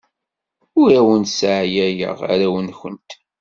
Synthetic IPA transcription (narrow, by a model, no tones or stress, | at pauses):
ʊɾæwənt̪sʕjæjə̰ʁa̰ɾæwənçənt̪